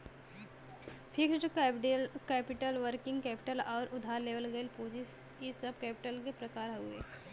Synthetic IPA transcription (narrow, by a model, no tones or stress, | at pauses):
pʰɪksʈ | kɛːpɪʈəlʋəɾkɪ̃ŋɡkɛːpɪ̥ʈəlɔːɾʔʊd̪ʱaːɾleːʋəlɡəɪlpuːd͡ʒis | isəb̚kɛːpɪʈəlkepɾɐkaːɾɦuḛː